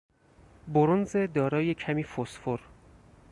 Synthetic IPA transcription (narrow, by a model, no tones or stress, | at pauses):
boɾonze̞d̪ɒːɾɒːjecʰæmiːfosfoɾ